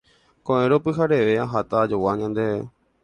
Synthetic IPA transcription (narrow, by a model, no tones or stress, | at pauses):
kõʔẽɾopɨɦaɾeʋeaɦat̪ad͡ʒowaɲãnd̪ee